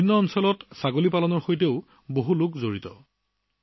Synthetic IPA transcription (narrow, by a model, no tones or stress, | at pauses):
iinːɔːnsɔlɔtsaɡolipalɔnɔɹxojteʊ | boɦulʊkzoɹitɔ̰